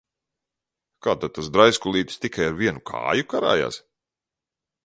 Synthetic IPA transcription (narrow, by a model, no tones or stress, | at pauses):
kaːt̪ad̪̚t̪uszd̪ɾajskulˠiːt̪i̥st̪ikajaɾviɛnukʰa̰ːjukaɾa̰ːja̰ːs